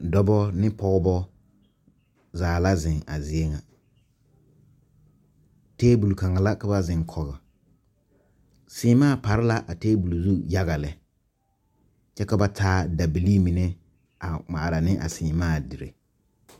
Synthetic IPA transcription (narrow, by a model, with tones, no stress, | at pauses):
dɔ˦bɔ˦nɪ˦pɔ˦ɣbɔ˦ | zaː˨la˦zɪ˨ŋa̰˨zɪ˨e˦ŋa˨ | teː˦bu˨lka˨ŋa˨la˦ka˦ba˦zɪ˨ŋkʰɔ˨ɣɛ˨ | sɪ˨˦maː˦˨pa˨ɾɪ˦la˦ʔa˨teː˦bu˨lu˨zu˦ja˦ɣa˨lɪ˨ | t͡ʃɛ˦ka˦ba˦tʰaː˦da˨bi˨li˦mi˨ne˦ | a˨ma˨ɾa˨nɪ˦ʔa̰˨sɪː˨maː˦˨dɪ˨ɾḛ˨